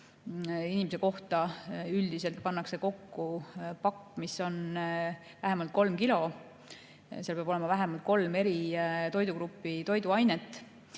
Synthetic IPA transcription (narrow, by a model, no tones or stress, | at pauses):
inimese̞ko̞ht̪ɑyld̪̥ise̞lt̪̚pɑnːɑkse̞ko̞kːupɑkːmiso̞n | væɦemɑlt̪̚ko̞lmkilo̞ | seɑlpeɑbo̞le̞mɑvæɦemɑlt̪̚ko̞lme̞ɾit̪o̞jd̪ukɾupːit̪o̞jd̪uɑjne̞t̪ːˑ